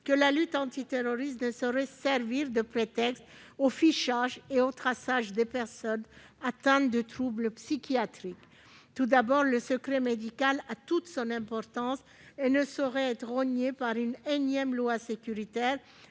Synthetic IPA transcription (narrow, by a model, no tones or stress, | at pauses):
kəlalyt̪ɑ̃t̪it̪eʁɔʁist̪nəsɔʁɛsɛʁviʁd̪əpχet̪ɛkst̪ofiʃaʒeot̪χasaʒd̪epɛʁsɔn | at̪ɛ̃t̪d̪ət̪χubləpsikʲjat̪χik | t̪ud̪abɔʁləsəkχɛmed̪ikalat̪ut̪sɔ̃nɛ̃pɔʁt̪ɑ̃s | enəsɔʁɛɛt̪χɔɲepaʁynɛnjɛmlwasekʲyʁit̪ɛːʁ